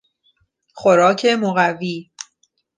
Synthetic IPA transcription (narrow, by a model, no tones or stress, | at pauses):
xoɾɒːcʰe̞moɣæviː